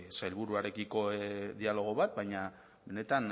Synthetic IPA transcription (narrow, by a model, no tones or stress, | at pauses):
sajlβuɾuaɾe̞kiko̞ðialo̞ɣ̞o̞βat̪̚bajɲa | be̞ne̞t̪an